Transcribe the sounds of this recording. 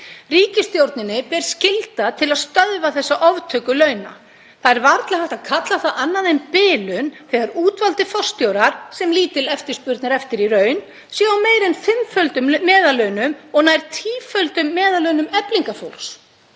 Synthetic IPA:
riːcɪst̪jowɾt̪nɪnːɪpɛɾ̥scɪlt̪at̪ʰɪlaðst̪œðvaθɛsːaʔɔvt̪ʰœːkʏlœːɥna̰ | θaðɛɾvaɾt̪lahḁt̪aðkʰat̪laθaðanːaðejnpɪːlʏnθɛːɣaɾuːt̪valt̪ɪfɔ̥st̪jowɾaɾ̥sɛmliːt̪ɪlɛft̪ɪɾ̥spʏɾt̪naɾɛft̪ɪɾirœːɥn | sjaawmeːjɾɛnfɪmfœlt̪ʏmːɛːðalœɥnʏmɔɣnajɾ̥t̪ʰiːfœlt̪ʏmːɛːðalœɥnʏmɛpliŋkafo̰wls

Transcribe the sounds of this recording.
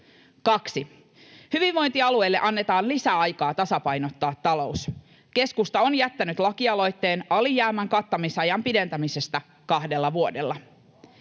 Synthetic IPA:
kɑksi | hyʋiʋʋo̞jnt̪iɑlue̞jlːe̞̰ʔɑnːet̪ɑːnlisæɑjkɑːt̪ɑsɑpɑjnot̪ːɑːt̪ːɑlo̞us | ke̞skust̪ɑonjæt̪ːænyt̪lɑkiɑlo̞jt̪ːe̞ːnɑlijæːmːæŋkɑt̪ːɑmisɑjɑmpide̞nt̪æmise̞st̪æ | kɑhdelːɑʋuo̞delːɑ

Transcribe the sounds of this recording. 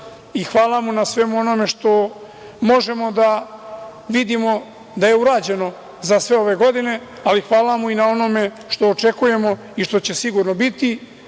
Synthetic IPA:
ixʋaːlˠamunasʋe̞muo̞no̞me̞ʂt̪o̞ | mo̞ʒe̞mo̞d̪a | ʋid̪imo̞ | d̪aje̞uɾaːd͡ʑe̞no̞ | zasʋe̞o̞ʋe̞ɡo̞d̪ine̞ | alixʋaːlamuinao̞no̞me̞ | ʃt̪o̞ːt͡ʃe̞kuje̞mo̞ | iʃt̪o̞t͡ɕe̞siɡuɾno̞bit̪i

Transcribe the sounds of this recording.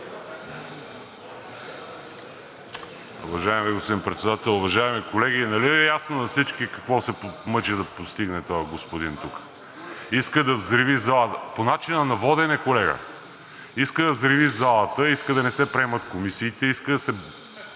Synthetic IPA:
ṵvɐʒaɛmɛɡusinpɾɛt̪sɛd̪at̪ɛlˠʊvɐʒaɛmikolɛɡinɐliɛjasnonɐfsit͡ʃkikɐkvɔsɛpmɤt͡ʃɛd̪ɐpost̪iɡnɛt̪ɔjɐɡospod̪int̪ukə̥ | iskəd̪ɐvzɾivizalˠət̪əponat͡ʃinənɐvɔd̪ɛnɛkolɛɡə̰ | iskəd̪ɐvzɾivizalˠət̪əiskəd̪ɐnɛsɛpɾɛmət̪komisiːt̪ɛiskəd̪ɐsɛ

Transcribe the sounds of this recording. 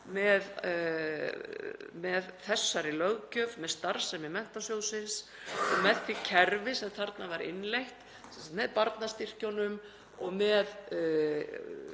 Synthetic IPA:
mɛð | mɛðθɛsːaɾɪlœɣcœvmɛðst̪aɾsɛmɪmɛn̥t̪asjowsɪnsɔɣmɛðθicʰɛɾvɪsɛmθaɾt̪navaɾɪ̰nlejht̪ | sɛnsat̪mɛðpaɾt̪nast̪ir̥conʏm | ɔɣmɛð

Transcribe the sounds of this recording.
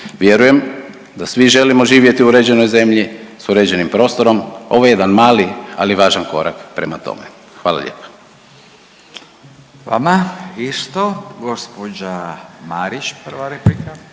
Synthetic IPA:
ʋje̞ɾuje̞m | d̪asʋiʒe̞limo̞ʒiːʋje̞t̪iuɾed͡ʑe̞no̞jze̞mʎisuɾe̞d͡ʑe̞nimpɾo̞ːst̪o̞ɾo̞mo̞ʋojejed̪anmaːlialiʋaːʒanko̞ɾa̰kpɾemat̪o̞̰me | xʋaːla̰ʎḛːpḁ | ʋa̰maiʃt̪oɡospod͡ʒamaɾit͡ʃpr̩ʋaɾeplika

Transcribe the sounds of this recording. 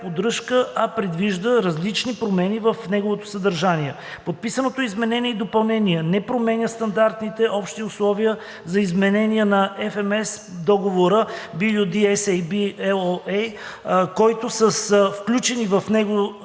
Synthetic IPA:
pod̪ɾɤʃkəʔɐpɾɛd̪viʒd̪əɾɐzlit͡ʃnipɾomɛnivəfnɛɡovot̪o̥səd̪ɐɾʒaniɛ | pot̪̚pisənot̪oizmɛnɛniɛid̪opɐlˠnɛniɛnɛpɾomɛnʲəst̪ɐnd̪aɾt̪nit̪ɛʔɔpʃt̪iʊslˠɔviə | zɐizmɛnɛniənɐʔɛfɛmɛs | d̪ɔɡovoɾəbilʲud̪iɛsɛjbiɛɛjkɔjt̪osəsfklʲut͡ʃɛnivəfnɛɡo

